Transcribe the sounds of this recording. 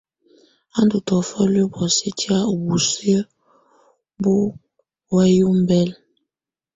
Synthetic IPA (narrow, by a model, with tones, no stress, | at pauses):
a˦ndu˨tɔ˨fɔ˦lo˦bɔ˨si˦ti˦a˦o˨bu˨se˦ | bu˦ | wɛ˦ju˦m˦bɛ˦l